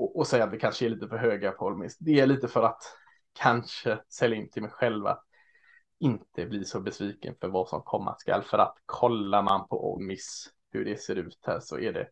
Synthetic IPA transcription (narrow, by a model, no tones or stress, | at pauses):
ɔʔɔsɛjːat̪vɪkʰanʂəɛɾɭiːt̪əfœɾɦøːɡapʰɔlmɪsd̪ɛæɭiːt̪əfœɾat̪ | kʰanʂəsɛlːaɪnt̪ʰɪlmɛjɧɛlva̰t̪ | ɪnt̪ʰəblisɔbɛsviːkə̰nfœɾvasɔ̰mkʰɔmːa̰ska̰lfœɾa̰t̪kʰɔlːaɾmanpʰɔʔɔ̰lmɪs | hɵɖɛseːɾʉ̟ːt̪hæ̰ːɾʂɔ̰ʔæɖɛ̰